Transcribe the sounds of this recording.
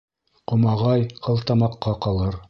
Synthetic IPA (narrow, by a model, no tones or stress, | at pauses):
qŏmɑʁɑjqʰɤ̆lˠt̪ɑmɑqːɑqɑlˠɤɾ